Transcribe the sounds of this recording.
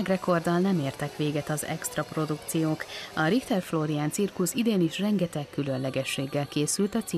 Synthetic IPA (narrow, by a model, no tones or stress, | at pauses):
ɡrɛko̞rd̪ɒlnɛmeːrt̪ɛkʋeːɡɛt̪ɒzɛ̰kst̪rɒpro̞d̪ukt̪sijoːkɒɾikt̪ɛrfloɾiaːnt̪sirkusid̪eːniʃrɛŋɡɛt̪ɛkːylønlɛɡɛʃːeːɡːɛlkeːsylt̪ɒt̪si